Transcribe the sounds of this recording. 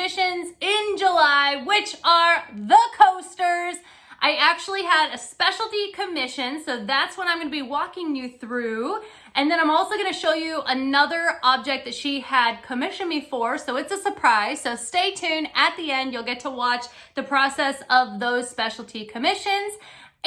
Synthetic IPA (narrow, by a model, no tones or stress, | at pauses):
ɪʃɨ̃nzɪ̃nd͡ʒəlaɪwɪt͡ʃə˞ðəkʰoʊstə˞z | ʔaɪæk̚t͡ʃul̩ˠiəɾɨspɛʃl̩ˠtikʰɨmɪʃɨ̃nsoʊðætswə̃ɾ̃ãɪmɡʌnɨbiwɔkɪ̃ŋjɨθɹʉ | ʔɨ̃nðɨ̃nãɪ̃mɔlˠsoʊɡʌñɨʃoʊjɨʔənʌðə˞ʔɑb̚d͡ʒɛk̚ðɨtʃiəd̚kʰɨmɪʃɨ̃nbɨfɔɹsoʊɨtsəsə˞pʰɹ̥aɪz̥soʊsteɪtʰʉ̃nɨt̪̚ðiɛ̃ndjulˠɡɛtʰəwɑt͡ʃ | ðɨpʰɹ̥ɔsɛsʌvðoʊz̥spɛʃl̩ˠtʰikʰɨmɪʃɨ̃nz